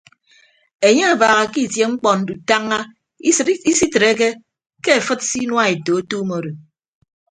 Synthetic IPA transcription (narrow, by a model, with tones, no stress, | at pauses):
e˨ɲe˦a˨baː˨ɣa˨ki˦˨tje˦ŋ͡m̩˦k͡pɔ˨n̩˨du˨ta˦ŋːa˦˨ | i˦si˦tɨ˨ɾe˦k̬e˦ | ke˦e˨fɨ˦t̚si˦nwa˦e˨to˨o˦tu˦mo˨ɾo˨